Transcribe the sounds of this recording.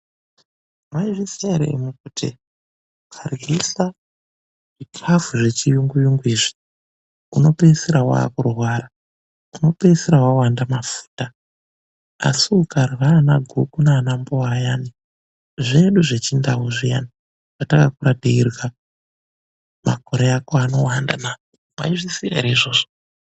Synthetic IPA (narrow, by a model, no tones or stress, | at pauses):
maiʐisaɾḛmukutʰḭ | ukʰarwisa | ʐipʰafuʐe̞t͡ʃijuŋɡujuŋɡuiːʐi̥ | uno̞peseɾawa̰ːkurwaːra | uno̞pe̞seɾawawandamafu̥ːta | a̰siukarwanaɡʱukunaːnamboajani | ʐe̞ɗuʐe̞t͡ʃindaɦuʐija̰ni | ʐ̥atakakuɾadiirwa | ma̰ko̞ɾeakoano̞wandana | ma̰iʐisia̰ɾaiʐo̞ːʐo